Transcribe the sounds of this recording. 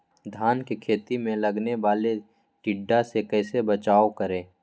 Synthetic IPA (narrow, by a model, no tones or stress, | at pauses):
d̪ʱaːnkekʰeːt̪imẽlɐɡneʋaːle | ʈɪɖːasekɛːsebɐt͡ʃaːokəɾẽː